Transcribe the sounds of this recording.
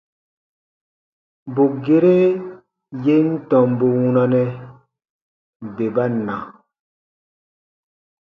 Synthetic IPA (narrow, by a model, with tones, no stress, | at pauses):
bo˨ɡe˨ɾe˦ | je˦n̩˦tɔ̃˨mbo˨wũ˦nɔ˨nɛ˨ | be˨ba˦na̰˨